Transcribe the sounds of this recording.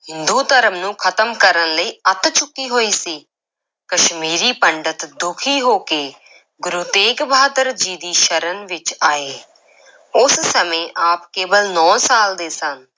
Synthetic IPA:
ɦɪnd̪uːt̪əɾəmnũːkʰət̪əmkəɾənləiːət̪t͡ʃʊkːiːɦoːiːsiː | kəʃmiːɾiːpəɳɖət̪d̪ʊkʰiːɦoːkeː | ɡʊɾut̪eːkbʱaːd̪əɾd͡ʒiːd̪iːʃəɾənʋɪt͡ʃaːeː | ʊssəmẽːʔaːpkeːbəlnɔ̃ːsaːld̪eːsən

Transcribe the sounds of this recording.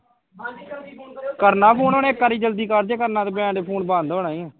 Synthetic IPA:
kəɾnaːpʰuːnoːneːkːaːɾiːd͡ʒəld̪iːkəɾd͡ʒeːkəɾnãːt̪eːbɛ̃ːɳɖeːpʰuːɳbãːnd̪oːnaːĩːɛ̃ː

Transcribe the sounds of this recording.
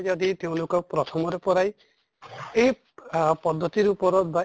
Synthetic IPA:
d͡ʒɔd̪it̪eũlokɔpɾɔt̪ʰɔmɔɾepɔɾaj | ei | pɔd̪ʱːɔt̪iɾupɔɾɔba

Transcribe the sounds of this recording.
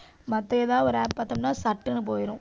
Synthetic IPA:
mɐt̪ːɐɛðãːɔɾaːppaːt̪ːɐmnːaːsɐʈːɯnːɯp̬oːjɪɾʊ̃

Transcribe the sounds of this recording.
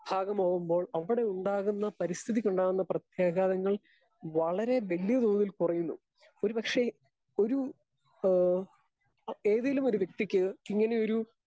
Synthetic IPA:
b̥ʱaːɣɐmoːɣumbo̞ːɭɐʋiɽe̞uɳɖaːɣunːɐpɐɾist̪ʰiðikoɳɖaːɣunːɐprɐt̪jeːɡaːðɐŋːɐɭ | ʋɐɭɐɾe̞ʋɐlijɐd̪oːðilkurɐjunːṵ | o̞ɾupɐkʂe̞ | o̞ɾu | e̞ːðilumo̞ɾuʋjek̚t̪ikʲːɨiŋːɐne̞oɾu

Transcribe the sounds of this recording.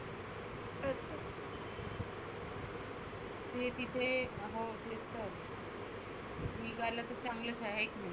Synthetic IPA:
əs | t̪et̪it̪ʰeɦot̪est̪əɾ | miɡalat̪əɾt͡sãŋɡləɕaɦekmi

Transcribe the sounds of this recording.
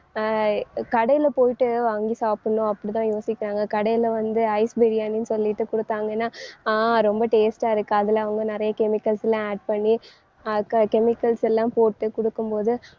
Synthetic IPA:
kɐɽɐjɪlɐpoːjɪʈːɯʋaːŋɡisaːpːɐnːõɐpːɐɽit̪ãːjoːsɪkʲːɪɾaːŋɡɐkɐɽɐjɪlɐʋɐnd̪ɯɐɪsbɛɾɪjaːninsɔlːɪʈːɯkɔɽɯt̪ːaːŋɡɐnːaːɾɔmbɐʈeːsʈaːɪɾɯkːɯaɐðɪlɐʋɐŋɡɐnɪɾɐjɐkɛmɪkːɐlsɛlãːaːɖ̚pɐɳːi | ɐkːakɛmɪkːɐlsɛlːãːmpoːʈːɯkɔɽɯkːɯmpoːðɯ

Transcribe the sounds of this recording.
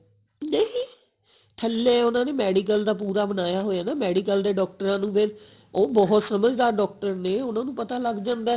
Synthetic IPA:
neĩː | ʈʰəlːeːʊnãːneːmɛːɖiːkəld̪aːpuːɾaːbənaːjaːɦoːjaːnaːmɛːɖiːkəld̪eːɖɔːk̚ʈəɾãːnũːpʰɪɾ | oːbɔɦt̪səməd͡ʒd̪aːɾɖɔːk̚ʈəɾneːʊnãːnũːpət̪aːləɡd͡ʒãːnd̪aː

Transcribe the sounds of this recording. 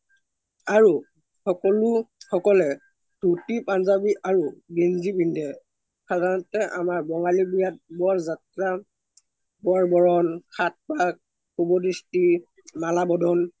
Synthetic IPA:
aɹu | xɔkɔlʊxɔkɔlɛ | d̥ʱutipanzabiʔaɹuɡinzibindɛ | sadʱaɹɔtɛʔa̰maɹbɔŋalibijat̚bɔɹzatɹa | bɔɹbɔɹɔnkʰat̚bak̚ | xubɔdisti | malabɔdʱɔn

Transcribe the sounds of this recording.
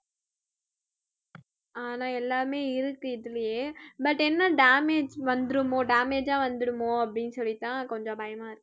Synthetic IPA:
aːnãːɛlːaːɾmeːɪɾɯkːɯɪðɯlɐjeːbɐʈːɛnːɐɖaːmeːd͡ʒʋɐnd̪ɯɽɯmoːɖaːmeːd͡ʒãːʋɐnd̪ɯɽɯmoːɐpːɽɪnːɯsɔlːit̪ːãːkɔɲd͡ʒɔ̃bɐjɐmaːɪɾɯkːɯ̥

